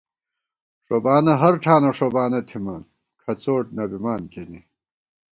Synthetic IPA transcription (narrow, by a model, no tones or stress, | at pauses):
ʂobaːnɐɦɐɾʈ͡ʂʰaːnɐʂobaːnɐt̪ʰimɐn | kʰɐt͡soːʈ̚nɐbimaːnkeni